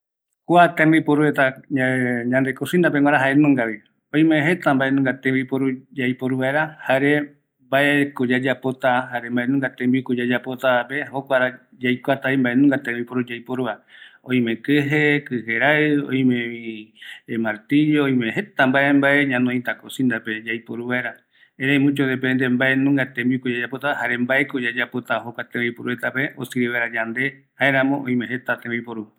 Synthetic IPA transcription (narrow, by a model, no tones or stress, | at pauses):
kuat̪ẽmbipoɾuet̪aaɲãnd̪ekosĩnd̪apeŋʷwaɾaɦaenũŋɡaβi | oj̃mẽɦe̞t̪ambaʔe̞nũŋɡat̪ẽmbipoɾud͡ʒajpoɾuβaeɾahaɾe | baekod͡ʒad͡ʒapot̪aɦaɾembaʔenũŋɡat̪ẽmbikod͡ʒad͡ʒapot̪apeokʷaɾa | d͡ʒajkʷat̪aimbaʔenũŋɡat̪ẽmbipoɾud͡ʒajpoɾuaõj̃mẽkɨɦekɨheɾaɨõ̰j̃mẽĩ | maɾt̪iɾioõj̃mẽɦe̞t̪ambaʔe̞mbaʔeɲãnõĩt̪akosind̪aped͡ʒajpoɾuβaeɾa | ẽɾẽj̃mũt͡ʃod̪ep̬end̪embaʔenũŋɡat̪ẽmbikud͡ʒad͡ʒapot̪aahaɾembaekod͡ʒad͡ʒapot̪aɦokʷat̪ẽmbipoɾuet̪ape̞o̰sɨɾiβeɾad͡ʒand̪e̞ | haeɾãmõʔõĩmẽɦet̪at̪ẽmbipoɾu